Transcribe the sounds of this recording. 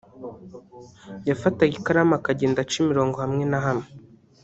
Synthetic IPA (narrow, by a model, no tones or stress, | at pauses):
jafataɡikaɾamakaɟeːndat͡ʃimiɾo̞ːŋɡo̞hamŋe̞naɦamŋe